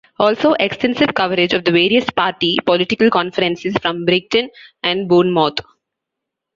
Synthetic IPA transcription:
ɔːlsoːʔeksʈɛ̃nsɪʋkʌʋəɾɪd͡ʒɔʋd̪əʋeːɾiəspaːɾʈipɔlɪʈɪkəlkɔ̃nfəɾə̃nsɪzfɾɔ̃mbɾɪɡ̚ʈə̃næ̃ɳɖbuːnmɔːt̪

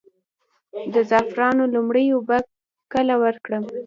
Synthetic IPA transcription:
d̪əzɑfɾɑnolumɽəjobak̚ | kəlawəɾkɽəm

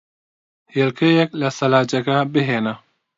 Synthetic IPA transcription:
heːlkʰejɐklɐsɐlaːd͡ʒɐɡabɪɦeːnɐ

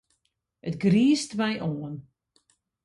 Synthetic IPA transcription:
ətɡriːstmɛjʔoən

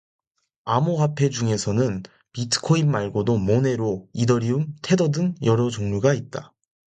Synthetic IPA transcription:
amoɦapʰe̞d͡ʑuŋe̞sʰʌnɯn | pitʰɯ̥kʰoimːaɭɡodomone̞ɾoidʌɾiumtʰe̞dʌdɯŋjʌɾʌd͡ʑoŋɲuɡait̚t͈a

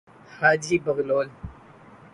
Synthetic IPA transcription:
had͡ʒibəɣloːl

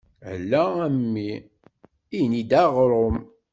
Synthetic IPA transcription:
æ̰lːææmːi | ijnid̪æʁɾˤom

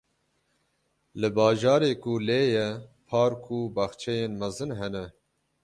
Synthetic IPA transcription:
lɨbɑːʒɑːɾeːkuleːjɛpʰɑːɾkʰubɑxt͡ʃʰɛjeːnmɛzɨnɦɛnɛ

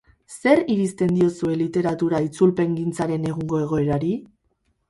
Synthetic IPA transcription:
se̞ɾiɾist̪e̞nd̪io̞sue̞lit̪e̞ɾat̪uɾait͡sulpe̞ŋɡint͡saɾe̞ne̞ɣuŋɡo̞e̞ɣ̞o̞e̞ɾaɾi

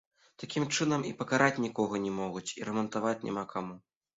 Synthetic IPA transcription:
t̪akʲimt͡ʂɨnɐmipɐkaɾʔat͡sʲnʲikɔɣɐnʲɛmɔɣut͡sʲiɾɐmɐnt̪avat͡sʲnʲa̰makʰamu

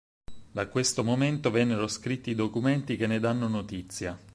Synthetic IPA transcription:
d̪akːwest̪omoment̪ovɛnːeɾoskɾit̪ːiːd̪okument̪ik̟enːed̪anːonot̪it̪sːja

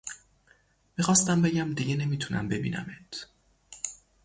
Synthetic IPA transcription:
miːxɒːst̪æmbe̞ɟæmd̪iɟene̞miːt̪ʰunʔæ̰mbe̞bḭːnæ̰met̪ʰ

